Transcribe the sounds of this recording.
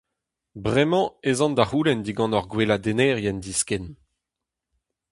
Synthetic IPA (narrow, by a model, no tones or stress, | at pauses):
bʁɛmɑ̃ezɑ̃nd̪ahuːlɛnd̪iɡɑ̃nɔʁɡwelad̪enɛːʁjɛnd̪isken